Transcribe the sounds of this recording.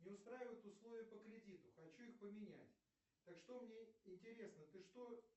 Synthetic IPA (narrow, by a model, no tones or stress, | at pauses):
nʲɪʊst̪ɾajɪvəjt̪ʊslˠo̞vʲɪjʊpəkɾʲɪdʲit̪ʊxɐt͡ɕuixpəmʲɪnʲæ̰tʲ | t̪akʂt̪o̞mnʲeɪnʲtʲɪɾʲe̞snət̪ɨʂt̪o̞